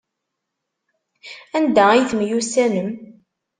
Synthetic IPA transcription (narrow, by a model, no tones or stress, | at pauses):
ænd̪æijθmjusænəm